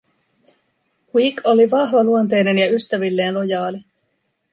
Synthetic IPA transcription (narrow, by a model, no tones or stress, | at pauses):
kwiːkʰo̞liʋɑɦʋɑluont̪̬e̞jne̞njɑyst̪æʋilːe̞ːnlo̞jɑːli